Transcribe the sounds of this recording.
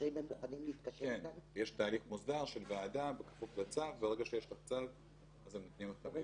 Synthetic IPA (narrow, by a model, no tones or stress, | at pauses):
ejbemjuχanimliːt̪kaʃkeenanjeʃt̪aːliχmuzd̪aʁʃelvead̪abekḁfuflat͡savveʁeɡaʃejeʃlat͡sav | azemːat̪niimot̪a